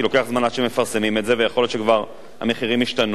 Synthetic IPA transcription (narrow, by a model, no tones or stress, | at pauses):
lo̞ke̞aχzmanad̪ʃemefaʁsemimetzevejaχo̞ljotʃekvaʁ | a̰me̞χiʁimiʃtan